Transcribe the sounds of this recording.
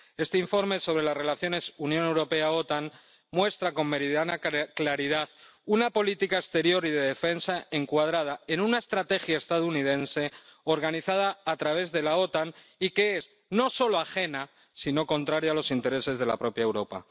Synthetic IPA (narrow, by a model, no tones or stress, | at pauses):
e̞st̪eiɱfo̞ɾmeso̞β̞ɾe̞lasre̞laθjo̞ne̞sunjone̞wɾo̞pe̞ao̞t̪an | mwe̞st̪ɾako̞mme̞ɾiðanaklaɾið̞aðunapo̞lit̪ikaekst̪e̞ɾjo̞ɾiðe̞ðe̞fe̞nsae̞ŋkwað̞ɾað̞ae̞nunaest̪ɾat̪e̞xjaest̪að̞ounið̞e̞nse̞o̞ɾɣaniθað̞aːt̪ɾaβ̞e̞zðe̞lao̞t̪anike̞es | no̞so̞loaxe̞na | sino̞kõ̞nt̪ɾaɾjalo̞sint̪e̞ɾe̞se̞zðe̞la̰pɾo̞pjae̞wɾo̞pa̰